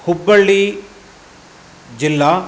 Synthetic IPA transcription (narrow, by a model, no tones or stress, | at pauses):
hubːɐɭːi | d͡ʒilːa